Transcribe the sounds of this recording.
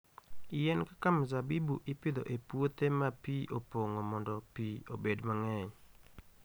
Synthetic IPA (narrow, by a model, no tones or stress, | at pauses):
ɪjɛnkakamzabibṵʔɪpɪd̪o̰ʔepwot̪emapiʔopoŋomɔndɔpiobedmaŋɛɲ